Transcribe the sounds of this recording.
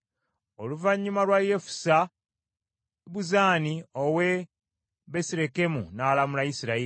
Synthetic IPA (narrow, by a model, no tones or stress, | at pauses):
o̞luvaɲːumalwaje̞fu̥sa | βuzaːnio̞we̞ | βesiɾe̞ke̞munaːlamulajisiɾai